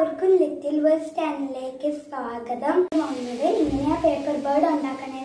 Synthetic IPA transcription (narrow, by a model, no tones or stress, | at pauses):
ʋɐrkumlit̪ːilʋesʈaːnileːkːɨsaːɡɐðɐmʋɐŋunːɐðɨiŋːɐneaːpeːpːɐrbɐːɖoɳɖaːkːɐɳe